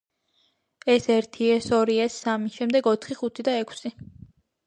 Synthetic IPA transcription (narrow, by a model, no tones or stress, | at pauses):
ɛsɛɾt̪ʰiɛsɔɾiɛsːamiʃɛmd̪ɛɡɔt̪ʰχiχut̪ʰid̪aɛkʰsi